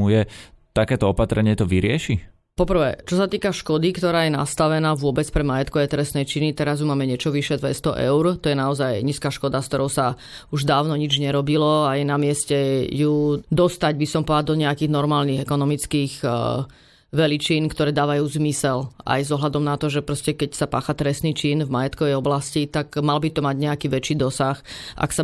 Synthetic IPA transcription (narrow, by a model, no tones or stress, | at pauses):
ujɛt̪akɛːt̪ɔɔpat̪ɾɛɲɪɛt̪ɔʋiɾɪɛʃi | pɔpr̩ʋɛ̰ːt͡ʃɔsat̪iːkaʃkɔd̪ikt̪ɔɾaːjɛna̰st̪aʋɛnaːʋʊɔbɛt͡spɾɛmajɛt̪kɔajt̪ɾɛsnɛjt͡ʃinit̪ɛɾazjumaːmɛɲɪɛt͡ʃɔʋiʃɛd̪ʋɛst̪ɔʔɛ̰ʊɾt̪ɔjɛnaɔzajɲiːskaːʃkɔd̪askt̪ɔɾɔʊsauʒd̪aːʊnɔɲid͡ʒɲɛɾɔbilɔajɛnamɪɛscɛjud̪ɔst̪aɟbisɔmpɔad̪ɔɲɛakiːɣnɔɾmaːlniɣɛkɔnɔmit͡skiːɣ | ʋɛlit͡ʃinkt̪ɔɾɛːd̪aːʋajuːzmisɛla̰jzɔɦlad̪ɔmnat̪ɔʒɛpɾɔscɛkɛcsapa̰ːxat̪ɾɛsniːt͡ʃinvmajɛt̪kɔʋɛjɔblascit̪aɡmalbit̪ɔmaɟɲɛakiːʋɛt͡ʃiːd̪ɔsaxa̰ksa